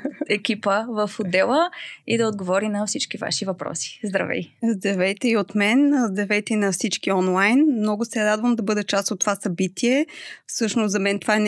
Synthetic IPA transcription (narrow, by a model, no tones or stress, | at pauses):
ɛkʲipəvəfod̪ɛlˠəid̪ɐod̪ɡovɔɾinɐfsit͡ʃkiva̰ʃivɐpɾɔ̰si̥zd̪ɾɐ̰vɛ̰jzd̪ɾɐvɛjt̪ɛiot̪mɛnzd̪ɾɐvɛjt̪ɛinɐfsit͡ʃkiɔnlˠajnmnɔɡʊsɛɾad̪vəmd̪ɐbɤd̪ɛt͡ʃast̪ot̪ːovasɐbit̪ʰiɛfsɤʃnosɐmɛnt̪ovaɛn